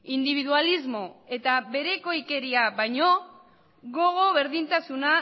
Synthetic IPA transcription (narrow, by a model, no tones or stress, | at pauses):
ind̪iβ̞iðualizmo̞e̞t̪aβe̞ɾe̞ko̞ike̞ɾiaβajɲo̞ | ɣo̞ɣ̞o̞βe̞ɾðint̪asuna